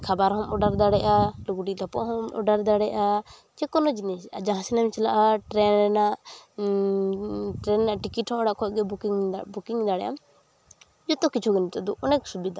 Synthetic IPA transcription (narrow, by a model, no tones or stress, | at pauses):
kʰabaɾɦɔmɔɖaɾd̪aɽɛʔaluɡuɖiɾapɔʔɦɔmɔ̰ɖaɾd̪aɽɛʔa | d͡ʒɛkɔnɔd͡ʒinisad͡ʒãɦãsɛnɛmt͡ʃɛlaʔaʈɾɛnnaʔ | ʈɾɛnːaʔʈikiʈhɔ̃mɔɽaʔkʰɔt̚ɡɛbukiŋbukiŋd̪aɽɛ̰ʔa̰m | d͡ʒɔt̪ɔkit͡ʃʰuɡɛnit̪ad̪uʔɔnɛk̚subid̪a